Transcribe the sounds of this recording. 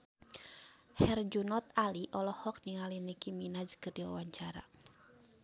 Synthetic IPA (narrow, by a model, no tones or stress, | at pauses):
hɛrd͡ʒunɔt̪aliʔɔlɔhɔk̚niŋalinikiminad͡ʒkərdiwa̰waɲt͡ʃaɾa̰